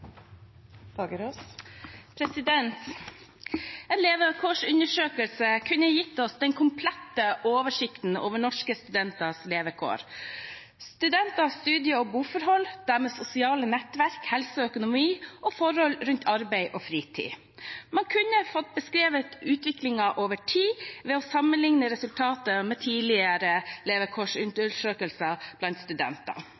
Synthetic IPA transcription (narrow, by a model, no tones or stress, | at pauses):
fɑɡəɾoːspʰɾɛsɪd̪ɛnt̪ | ɛnleːʋəkʰoːʂʉnəʂøːkəlsəkʰʉnəjɪt̪ːɔsd̪ɛnkʰʊmpʰlɛt̪ːəoːʋəʂɪkt̪n̩o̰ːʋəɳɔʂkəst̪ʉd̪ɛnt̪ɑsleːʋəkʰo̰ːɾ | st̪ʉd̪ɛnt̪ɑst̪ʉːd̪ɪəɔbuːfɔɾɦɔld̪̥æɾmeːsʊsɪɑːlənɛt̪ʋæɾkhɛlsəœkʊnʊmiːʔɔfɔɾhɔlɾʉnt̪ʰɑɾbæɪʔɔfɾiːt̪ʰḭː | mɑnŋkʰʉnːəfɔt̪̚bəskɾeːʋət̪ʉːt̪ʋɪklɪŋɑʔoːʋəʈʰiːʋɛːɔsɑmːənlɪŋnəɾɛsʉlt̪ʰɑːt̪əmɛːt̪ʰiːlɪəɾəleːʋəkʰoːʂʉnt̪əʂøːkəlsɑb̥lɑnt̪st̪ʉd̪ɛ̰nt̪ɑ̰